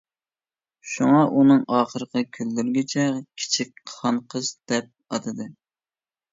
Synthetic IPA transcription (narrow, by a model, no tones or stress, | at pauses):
ʃuŋɑʔunɨŋɑːχəɾəqʰəkʲʰylːyɾɡʲit͡ʃʰɛkʲʰi̥t͡ʃʰik̚ʲʰːɑɴqʰəzd̪ɛp̚ɑd̪ɨd̪ɨ